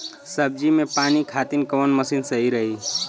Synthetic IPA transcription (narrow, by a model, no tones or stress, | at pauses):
səb̚d͡ʒimẽpaːnikʰaːt̪inkəʋənməsinsəɦiɾəɦi